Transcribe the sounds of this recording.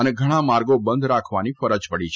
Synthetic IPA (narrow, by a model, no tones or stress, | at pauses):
əneɡʱəɽ̃ãmaɾɡobənd̪ʱɾakʰʋanifəɾəd͡ʒpəɽit͡ʃʰ